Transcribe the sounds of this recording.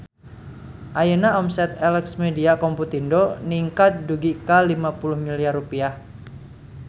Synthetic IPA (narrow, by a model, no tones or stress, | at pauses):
ʔajənaɔmsɛt̪ɛlɛksmediakɔmput̪indoniŋkat̪̚duɡikalimapulʊhmiliarːupiah